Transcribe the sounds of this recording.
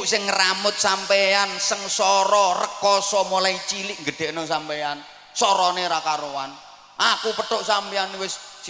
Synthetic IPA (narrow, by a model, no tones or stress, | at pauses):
ʔsɪŋːramʊt̪̚sampɛansəŋsɔɾɔrəkɔsɔmulait͡ʃilɪʔŋɡəɖ̪̥ɛ̤ʔnosampɛan | sɔɾɔneɾakaɾowan | ʔakupəɖ̪̥ʊʔsampiaŋniwɪs